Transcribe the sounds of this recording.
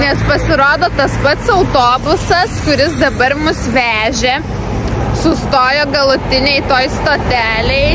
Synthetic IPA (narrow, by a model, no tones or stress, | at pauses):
nʲɛspɐsʲɪɾoːd̪oːt̪ɐspɐt̪sɐʊt̪oːbʊsɐskʊɾʲɪsd̪ɐbɐɾmʊsʋʲæːʒʲɛ | sʊst̪oːjoːɡɐlˠʊt̪ʲɪnʲɛɪt̪oːjst̪oːt̪ʲæːlʲɛɪ